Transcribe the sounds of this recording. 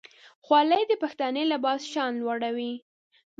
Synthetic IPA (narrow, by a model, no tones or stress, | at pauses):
xwɑləjd̪əpaxt̪ɑnelabɑsʃɑnlwaɽawi